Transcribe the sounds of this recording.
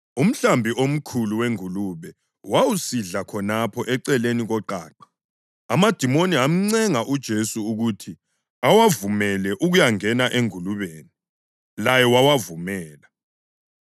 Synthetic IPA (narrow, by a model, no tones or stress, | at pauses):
um̩ɬambʱiʔom̩kʰuluweŋuluβɛ | wawusiɮakʰɔnapʰɔʔɛǀɛleniɣɔǃa̰ːǃḁ | amad̥ʱimoniɦam̩ŋ͡ǀɛŋaʔud̥ʒ̥ʱesuːɣutʰi | awavumɛlɛʔuɣujaŋɛnaʔeŋuluβeːni | lajɛwawavumɛːla